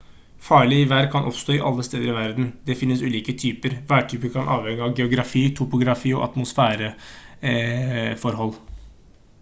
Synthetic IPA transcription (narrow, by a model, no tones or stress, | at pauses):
fɑːɭɪɪʋæːɾkʰɑnʔɔ̰pst̪oːɪʔɑ̰lːəst̪eːd̪əɾɪʋæɾd̪nd̪ɛfɪnːəsʉːliːkət̪ʰyːpəɾʋæːʈʰyːpəkʰɑnʔɑːʋhɛŋːəɑʋɡɛʊɡɾɑfiːt̪ʰʊpʊɡɾɑfiːɔ̰ʔɑ̰t̪mʊsfæːɾə | fɔɾɦɔlː